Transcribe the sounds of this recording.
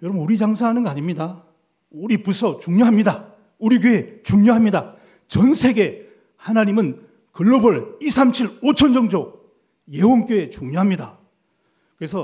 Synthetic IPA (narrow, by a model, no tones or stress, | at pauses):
jʌɾʌbɯnuɾid͡ʑaŋsʰaŋɦanɯnɡʌaɲimɲida | uɾipusʰʌt͡ɕuŋɲoɦamɲida | uɾiɡeet͡ɕuŋɲoɦamɲida | t͡ɕʌnsʰe̞ɡe̞ | hanaɲimɯn | kɯɭːobʌɭisʰamt͡ɕʰiɭot͡ɕʰʌnd͡ʑʌŋd͡ʑo | jewonk͈joe̞t͡ɕuŋɲoɦamɲida | kɯɾe̞s̬ʰʌ